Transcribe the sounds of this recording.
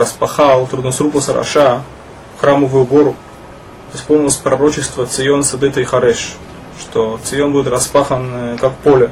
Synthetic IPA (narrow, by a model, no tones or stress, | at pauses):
ɾəspɐxalˠt̪ɾud̪nosɾupləsʲɐɾɐ̰ʂa | xɾaməvʊjʊɡo̞ɾʊ | ɪsponʲɪlˠəsʲpɾɐɾo̞t͡ɕɪst̪vət̪sɨjo̞nsɐd̪ɨt̪əjxɐɾɛʂ | ʂt̪ot̪sɨjo̞nbuɪt̪rɐspaxənkakpolʲɪ